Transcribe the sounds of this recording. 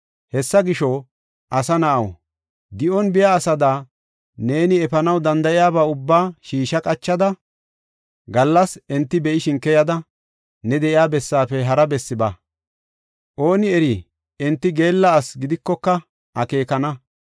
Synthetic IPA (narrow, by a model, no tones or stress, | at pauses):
hɛsːɐɡɪʃɔ | ʔɐsɐnɐʔɐw | d̪ɪʔɔnbɪjaːsɐd̪aː | ne̞ːnɪɛfɐnɐwd̪ɐnd̪ɐʔɪjaːbaːʊbːaːʃiːʃɐkʼɐt͡ʃːɐd̪ɐ | ɡɐlːɐsɛnt̪ːɪbɛʔɪʃɪŋkːɛjɐd̪ɐ | nɛd̪ɛʔɪjaːbɛsːaːfɛɦɐɾɐbɛsːɪbɐ | ʔo̞ːnɪɛɾɪ | ɛnt̪ːɪɡe̞ːlːɐːsɡɪd̪ɪkːɔkːɐ | ʔɐke̞ːkɐnɐ